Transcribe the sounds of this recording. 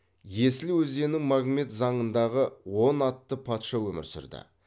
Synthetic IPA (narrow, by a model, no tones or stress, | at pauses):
je̞sɪlɪwɵze̞nɪŋmaɡme̞t̪zɑɴənd̪ɑʁəwo̞nɑt̪ːəpʰɑt̪ʃɑwɵmɪ̰ɾsʏ̰ɾd̪ɪ̰